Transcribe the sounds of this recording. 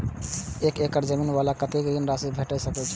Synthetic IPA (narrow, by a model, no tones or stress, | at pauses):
ekekəɾd͡ʒəminbalakət̪ekd̪inɾasibʱeʈəsəkɛt͡ʃʰɛ̥